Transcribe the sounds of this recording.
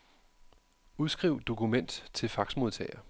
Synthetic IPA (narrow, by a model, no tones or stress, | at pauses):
uð̞ˠsɡ̥ʁiʊ̰d̥o̝kʰumen̰d̥t͡sʰe̝lfɑ̈ɡ̥smo̝ð̞ˠt͡sʰɛ̰ɪɐ